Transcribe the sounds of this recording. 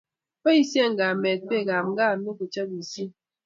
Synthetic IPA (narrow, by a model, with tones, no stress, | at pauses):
pə˦i˦sjɛ˦˨ŋ̩˨ɡa˨mɛ˨t̚pe˦˨ɡa˨mŋ˦ɡa˦˨mi˦ku˨t͡ʃə˦bi˨si˦